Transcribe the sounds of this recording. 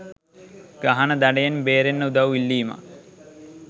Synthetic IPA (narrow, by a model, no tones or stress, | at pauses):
ɡ̥aɦɐnəd̪ɐɖejenbeːɾenːəud̪aʋilːiːma̰